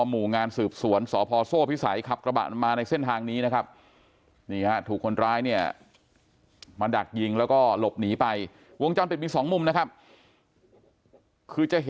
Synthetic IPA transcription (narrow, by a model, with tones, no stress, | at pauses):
ɔ˧muː˨˩ŋaː˧nsɯː˨˩p̚su˩˦ənsɔː˩˦pʰɔː˧soː˥˩pʰi˦˥sa̰˩˦jkʰa˨˩p̚kɾa˧ba̰˨˩maː˧na˧jse˥˩nt̪ʰaː˧ŋniː˦˥na˦˥kʰa˦˥p̚ | niː˧˩ha˦˥t̪ʰuː˨˩kʰːo˧nɾaː˦˥jni˥˩ɐ | maː˧da˨˩k̚ji˧ŋlɛː˦˥wkɔː˥˩lo˨˩p̚niː˩˦pa˧j | wo˧ŋt͡ɕa˧npi˨˩miː˧sɔː˩˦ŋmu˧mna˥kʰa˦˥p̚ | kʰɯː˧t͡ɕa˨˩ʔɦ